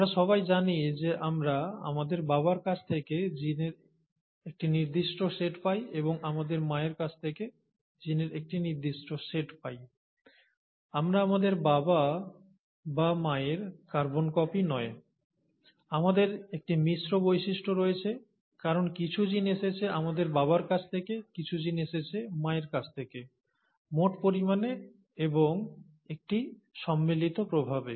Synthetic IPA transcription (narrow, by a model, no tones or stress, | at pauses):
amɾaʃɔβajd͡ʑanid͡ʑeʔamɾaa̰mad̪eɾbaβaɾkat͡ɕʰt̪ʰeked͡ʑineɾ | ek̚ʈiniɾd̪iʃʈoseʈpajeboŋamad̪eɾmaeɾkat͡ɕʰt̪ʰeke | d͡ʑineɾek̚ʈiniɾd̪iʃʈoseʈpaj | amɾaamad̪eɾbaba | bamaeɾkaɾbonkɔpinɔe | amad̪eɾek̚ʈimiʃɾobojʃiʃʈʰoɾojet͡ɕʰe | kaɾonkit͡ɕʰud͡ʑineʃet͡ɕʰeamad̪eɾbaβaɾkat͡ɕʰt̪ʰekekit͡ɕʰud͡ʑineʃet͡ɕʰemaeɾkat͡ɕʰt̪ʰeke | moʈpoɾimane | eboŋ | ek̚ʈiʃɔmːilit̪opɾobʱabe